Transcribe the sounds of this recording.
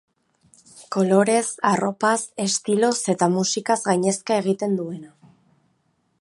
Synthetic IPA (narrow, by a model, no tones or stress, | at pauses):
ko̞lo̞ɾe̞saro̞pase̞st̪ilo̞se̞t̪amusikazɣajɲe̞skae̞ɣ̞it̪e̞nd̪ue̞na